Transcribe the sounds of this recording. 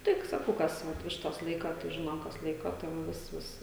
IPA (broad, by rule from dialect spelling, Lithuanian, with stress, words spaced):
ˈtʲɪk sɐˈkɐʊ kɐs ˈʋɐt ˈʋʲɪʃtɐs ˈlˠɐɪkɐ tɐɪ ˈʒʲɪnoːm kɐs ˈlˠɐɪkoː tɐɪ ʋɐ ˈʋʲɪs ˈʋʲɪs